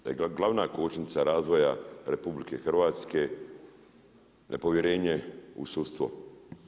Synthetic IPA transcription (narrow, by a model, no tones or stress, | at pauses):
eɡlˠaʋnakoːt͡ʃnit̪saɾaːzʋo̞jaɾepublikexr̩ʋaːt̪ske̞ | nʔḛpo̞ʋjeɾe̞ːɲeṵsut̪st̪ʋo̰